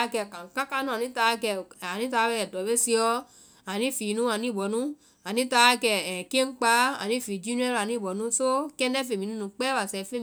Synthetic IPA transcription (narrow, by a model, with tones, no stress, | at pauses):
kɛ˧˨ka˨ka˦ka˦nũ˦a˨nĩ˦ta˧˦˧kɛ˧˨a˨nĩ˨˦ta˧˦ɛ˨dɔ˨be˦si˧ɔ˧ | a˨nĩ˨˦fi˨nũ˦a˧˨nĩ˨˦˨bɔ˨nũ˦ | a˨nĩ˨˦ta˧a˧˦kɛ˧ɛ˨ke˦ŋ͡m̩˦k͡pa˧a̰˨nĩ˨˦˨fi˨d͡ʒi˦nũ˦ɛ˦ɾa˨nĩ˨˦˨bɔ˨˦nũ˦so˦kɛ˦nɛ˦fe˨mĩ˨nũ˦nũ˧˦k͡pɛ˦wa˨sɛ˧fe˦˧